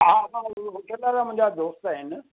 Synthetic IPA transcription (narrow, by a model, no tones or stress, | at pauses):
ɦãːmãɦʊʈʰə̃nd̪aɾamʊ̃ɦɪ̃ɲd͡ʑad̪oːst̪aːɦɪnɪ̆